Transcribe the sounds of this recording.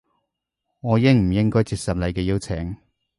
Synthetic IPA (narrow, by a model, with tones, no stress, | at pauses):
ŋɔː˨˧jɪ˥ŋm̩˨˩jɪ˥ŋkɔː˥jt͡siː˧k̚sɐ˨m̚lɐ˨˧jkɛː˧ji˥wt͡sʰɛ˨˩˦ŋ